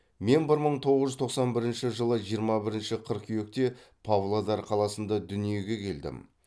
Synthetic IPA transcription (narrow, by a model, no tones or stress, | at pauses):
me̞nbɪɾməɴt̪ʰo̞ʁəzʒʏzt̪oqsɑnbɪɾɪnʃɪʒəlˠəʒijəɾmɑbɪɾɪnʃɪqʰəɾqkʲʰʏje̞k̚t̪e̞pʰavlˠod̪ɑɾqʰɑlˠɑsənd̪ɑd̪ʏnije̞ɡʲe̞kʲʰe̞ld̪ɪ̰m